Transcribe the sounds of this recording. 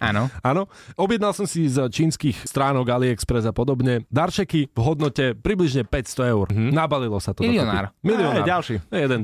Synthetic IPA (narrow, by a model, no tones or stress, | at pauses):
ʔa̰nɔanɔɔbɪjɛd̪nalˠsɔmsizt͡ʃiːnskiːxst̪ɾaːnɔɡaliɛkspɾɛzapɔd̪ɔbɲɛd̪aɾt͡ʃɛkivɦɔd̪nɔcɛpɾibliʒɲɛpɛcst̪ɔɛʊɾɦnabalilɔsat̪ɔliɔna̰ːɾmiliɔaalʃiɛjɛd̪ɛn